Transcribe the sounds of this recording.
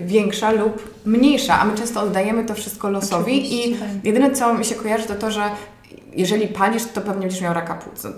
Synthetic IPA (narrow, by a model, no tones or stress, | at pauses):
vʲjɛŋkʂalup | mɲejʂa̰ʔa̰mɘt͡ʂɛ̃st̪ɔɔd̪ːajɛmɘt̪ɔfʂɘst̪̚kɔlɔsɔvʲiijʔɛd̪ɘnɛt̪sɔmʲiɕɛkɔjaʐɨt̪ɔt̪ɔʐɛ | jʔɛʐɛlʲipalʲiʂt̪t̪ɔpɛvɲɛɛɲd͡ʑɛʂmjawɾakapṵt̪snɔ̰